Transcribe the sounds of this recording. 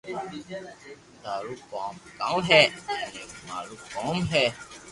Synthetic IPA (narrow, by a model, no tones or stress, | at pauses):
d̪aɾukɔ̰mkã̰wɦɛanɛma̰ɾukɔmɦɛ